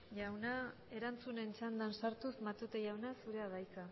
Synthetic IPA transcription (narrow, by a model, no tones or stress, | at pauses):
ʝawna | e̞ɾant͡sune̞nt͡ʃand̪ansaɾt̪usmat̪ut̪eʝawnasuɾe̞aβajt͡sa